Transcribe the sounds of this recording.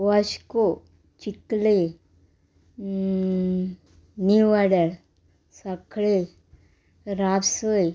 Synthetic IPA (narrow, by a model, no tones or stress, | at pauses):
ʋaɕko | t͡ɕikle | niʋaɽaɽ | sakɭe | ɾabsəj